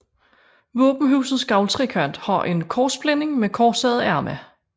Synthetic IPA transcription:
ʋɔ̰̽ːb̥n̩ɦṵːsð̩ˠsɡ̥ɑ̈ʊlt͡sʰʁikʰœn̰d̥hɑ̈ʔe̝nkʰɒːsb̥lene̝ŋmekʰɒ̥ːsɛːð̞̩ˠæɐmæ

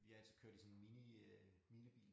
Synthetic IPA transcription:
ʋiɑæl̰sʰi̥kʰøɐ̥lisɔ̽nmini | minəb̥ḭːl

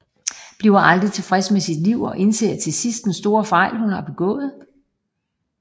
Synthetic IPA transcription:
b̥liːʊɐʔɑ̈ld̥ʁit͡sʰe̝fʁɛsmesid̥liʊ̰ɒ̽ʔe̝nse̝̰ːɐt͡sʰe̝lsisd̥̚densd̥o̝ːɐfɑ̈ɪ̰lhunɑb̥e̝ɡ̥ɔ̰̽ːð̞̩ˠ

